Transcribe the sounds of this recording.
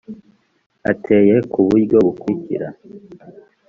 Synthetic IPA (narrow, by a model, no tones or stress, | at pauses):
a̰tʰe̞ːje̞kuβujɡoβukwuicḭɾa